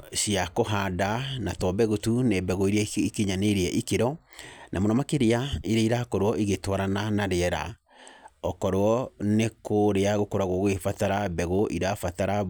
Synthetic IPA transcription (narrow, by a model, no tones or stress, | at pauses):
siakoɦadanatɔbɛɣutunebɛɣoiɾeaikeɲaneɾeɛʔikeɾɔnʔamonɔmakeɾeaiɾeiɾakɔɾwɔʔiɣetwaɾananaɾeɛɾa̰ | ɔkɔɾoɔnekʰoɾeaɣokoɾaɣwɔɣwefataɾabɛɣoʔiɾafataɾa